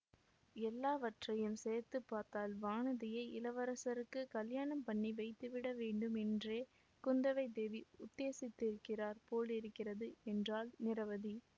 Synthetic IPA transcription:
ɛlːaːʋɐʈrɐjɯmsɛːɾt̪ːɯpːaːɾt̪aːlʋaːɳɐðɪjɐɪʔɪlɐʋɐɾɐsɐɾɯkːɯkɐljaːɳɐmpɐɳːiʋɐɪt̪ːɯʋɪɽɐʋeːɳɖɯmɛndreː | kʊnd̪ɐʋɐɪd̪eʋiʊt̪ːeːsɪt̪ːɪɾɯkːɪraːɾpoːlɪɾɯkːɪrɐðɯɛndraːlnɪɾɐʋɐði

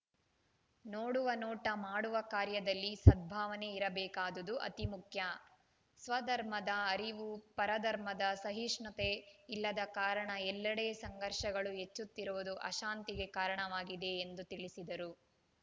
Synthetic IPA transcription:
noːɽuʋɐnoːʈɐmaːɽuʋɐkaːɾjɐd̪ɐlːisɐd̪̚bʱaːʋɐne̞iɾɐbɛːkaːd̪ɐd̪uʔɐ̰t̪imukʰjɐ | sʋɐd̪ɐɾm̤ɐd̪ɐːɾiʋupɐɾɐd̪ɐɾmɐd̪ɐsɐɦiʂɳɐt̪e̞ilːɐd̪ɐkaːɾɐɳɐɛlːɐɽeːsɐŋɡɐɾʃɐɡɐɭuɦet͡ʃːut̪ːiɾuʋud̪uʔɐ̰ʃaːnt̪iɡe̞kaːɾɐɳɐʋaːɡid̪e̞ːnd̪ut̪iɭisid̪ɐɾu

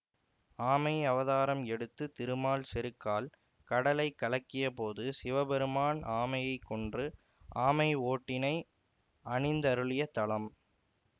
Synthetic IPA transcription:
aːmɐɪɐʋɐðaːɾɐmɛɽɯt̪ːɯt̪ɪɾɯmaːlsɛɾɯkːaːl | kɐɽɐlɐɪkːɐɭɐkːɪjɐpoːðɯsɪʋɐbɛɾɯmaːnaːmɐjɐɪkːɔɳdrɯ | ʔaːmɐɪoːʈːɪnɐɪ | ɐɳɪnd̪ɐɾɯɭɪjɐt̪ɐɭɐm

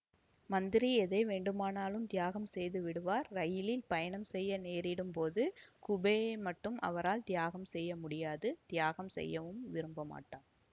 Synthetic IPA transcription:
mɐnd̪ɪɾiɛðɐɪʋeːɳɖɯmaːnaːlɯmd̪jaːɣɐmsɛjðɯʋɪɽɯʋaːɾɾɐjɪlɪlpɐjɐnɐmsɛjːɐneːɾɪɽɯmpoːðɯkʊbeːmɐʈːɯmʔɐ̰ʋɐɾaːlt̪ɪjaːɣɐmsɛjːɐmʊɽɪjaːðɯd̪̥ɪjaːɣɐmsɛ̰jːɐʋɯmʋɪɾɯmbɐma̰ːʈːaːm

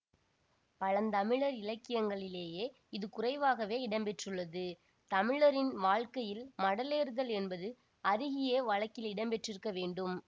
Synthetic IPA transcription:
pɐɻɐnt̪ɐmɪɻɐɾɪlɐkːɪjɐŋɡɐɭɪleːjeː | ɪðɯkʊrɐɪʋaːɣɐʋeːɪɽɐmpɛʈrɯɭːɐðɯ | t̪ɐmɪɻɐɾɪnʋaːɻkɐjɪlmɐɽɐleːɾɯðɐlɛnbɐðɯ | ɐðɪɣɪjeʋɐɭɐkːɪlɪɽɐmpɛʈrɪɾɯkːɐʋeːɳɖɯm

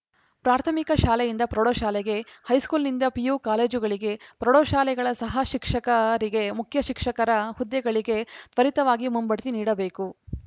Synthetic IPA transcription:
pɾaːɾt̪ʰɐmikɐʃaːlɛjind̪ɐpɾɐɽoːʃaːlɛɡe̞hɐjskuːlnind̪ɐpijuːkaːle̞ːd͡ʒuɡɐɭiɡe̞pɾɔɽoːʃaːlɛɡɐɭɐsɐɦɐʃikʂɐkɐɾiɡe̞mukʰjɐʃikʂɐkɐɾɐhud̪ːjɛɡɐɭiɡe̞t̪ʋɐɾit̪ɐʋaːɡimumbɐɽt̪iniːɽɐbe̞ːku

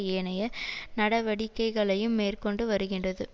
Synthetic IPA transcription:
eːnɐjɐnɐɽɐʋɐɽɪkːɐɪɣɐɭɐjɯmːeːrkɔɳɖɯʋɐɾɯɣɪndrɐðɯ

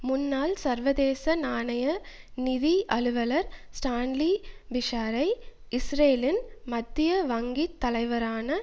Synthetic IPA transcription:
mʊnːaːlsɐɾʋɐðeːsɐnaːnɐjɐ | nɪðiʔɐɭɯʋɐlɐɾsʈaːnlibɪʂaːɾɐɪ | ɪsɾeːlɪnmɐd̪ːɪjɐʋɐŋɡit̪ːɐlɐɪʋɐɾaːnɐ

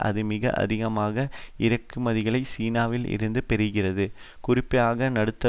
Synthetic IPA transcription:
ʔɐ̰ðɯmɪɣɐ̰ʔɐ̰ðɪɣɐmaːɣɐɪɾɐkːɯmɐðɪɣɐɭɐɪsiːnaːʋɪlɪ̰ɾɯnd̪ɯpɛɾɯɣɪrɐðɯ | kʊrɪpːɐjaːɣɐnɐɽɯt̪ːɐ

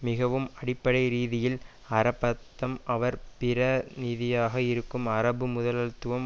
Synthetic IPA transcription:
mɪɣɐʋɯmɐɽɪpːɐɽɐɪɾiːðɪjɪl | ɐɾɐpːɐt̪ːɐmɐʋɐɾpɪɾɐnɪðɪjaːɣɐɪɾɯkːɯmɐɾɐbɯmʊðɐlɐlt̪ːɯʋɐm

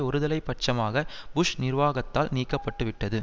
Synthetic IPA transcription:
ɔɾɯðɐlɐɪpːɐʈ̚t͡ʃɐmaːɣɐbʊʂnɪrʋaːɣɐt̪ːaːlniːkːɐpːɐʈːɯʋɪʈːɐðɯ

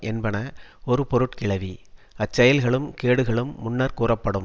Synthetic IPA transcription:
ʔɛnbɐnɐɔɾɯpɔɾɯʈkɪɭɐʋi | ɐt͡ʃːɐjɐlɣɐɭɯmkeːɽɯɣɐɭɯmːʊnːɐɾkuːrɐpːɐɽɯm

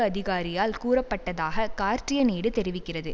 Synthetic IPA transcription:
ɯɐðɪɣaːɾɪjaːlkuːrɐpːɐʈːɐðaːɣɐkaːɾtrɪjɐniːɽɯt̪ɛɾɪʋɪkːɪrɐðɯ

